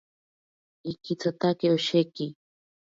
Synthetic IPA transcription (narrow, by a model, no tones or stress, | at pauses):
ikit͡sat̪akeoʃeki